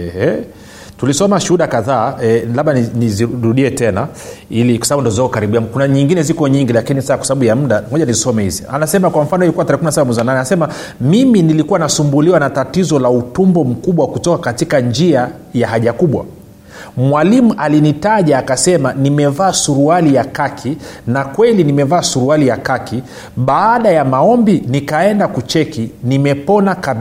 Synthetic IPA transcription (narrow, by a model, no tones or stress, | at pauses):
ɛhɛ | tulisɔmaʃuhuɗakaðaːɛlaɓaniniziɾuɗiɛtɛnailikwḁsaaɓundɔzakɔkaɾiɓiamkunaɲiŋɡinɛzikɔɲiŋɡilakinisakwḁsaɓaɓujam̩ɗamɔʄanizisɔmɛhḭzia̰nasɛmakwam̩fanɔilikuwataɾɛkuminasaɓamwɛziwananɛanasɛma | miminilikuwanasumbuliwanatatizɔlautumbɔm̩kuɓwakutɔkakatikand͡ʒia | jaɦaʄakuɓwa̰ | mwalimuʔalinitaʄaːkasɛmanimɛvaːsuɾualijakakʰinakwɛlinimɛvaːsuɾualijakakʰi | ɓaːɗajamaɔmbinikaɛndakut͡ʃɛkinimɛpɔnakaɓ